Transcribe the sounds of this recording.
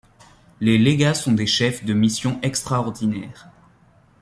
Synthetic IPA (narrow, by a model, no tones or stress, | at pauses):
leleɡasɔ̃d̪eʃɛfd̪əmisjɔ̃ʔɛkst̪χaɔʁd̪inɛːʁ